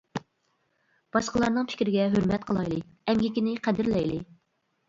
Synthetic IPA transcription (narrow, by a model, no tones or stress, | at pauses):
b̥ɑʃqəlˠɑɾnɨŋpʰɪ̥kʲɾɪɡʲɛɦøɾmɛt̪̚qʰəlˠɑjlˠɨɛmɡʲikʲinɪqʰæd̪ɪɾlɛjlɨ